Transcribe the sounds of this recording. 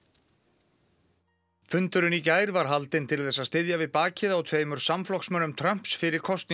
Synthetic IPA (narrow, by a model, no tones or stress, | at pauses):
fʏnt̪ʏɾʏnicaːjɾvaɾ̥ɦalt̪ɪnt̪ʰɪlθɛsaðst̪ɪðjavɪðpaːcɪðawt̪ʰveːjmʏɾ̥samflɔksmœnʏmt̪ʰɾœm̥psfɪɾɪɾ̥kʰɔst̪ni